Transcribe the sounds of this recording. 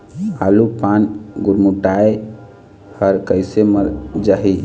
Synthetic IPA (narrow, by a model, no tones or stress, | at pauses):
alupanɡuɾmuʈae | həɾkəɪseməɾd͡ʒaɦi